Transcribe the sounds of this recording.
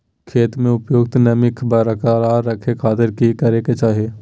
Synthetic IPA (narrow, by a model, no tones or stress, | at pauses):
kʰeːt̪mẽʊpjoːɡ̚t̪nɐmɪkʰbəɾəkaːɾaːɾːɐkʰekʰaːt̪ɪɾkikɐɾeket͡ʃaːɦieː